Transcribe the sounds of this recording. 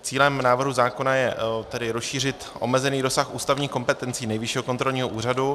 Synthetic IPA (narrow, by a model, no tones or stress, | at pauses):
t͡siːlɛmnaːvr̩ɦuzaːko̞najɛt̪ɛdɪɾosʃiːr̝ɪt̪ʔo̞̰mɛzɛniːɾo̞saxʔuːst̪avɲiːxko̞mpɛt̪ɛnt͡siːnɛjvɪʃiːɦokont̪ɾo̞lɲiːɦoʔuːradu